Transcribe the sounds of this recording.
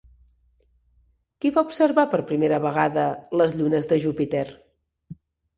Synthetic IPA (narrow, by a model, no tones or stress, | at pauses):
kiβaubsəɾβapəɾpɾimeɾəβəɣ̞aðələzʎunəzðəʒupit̪er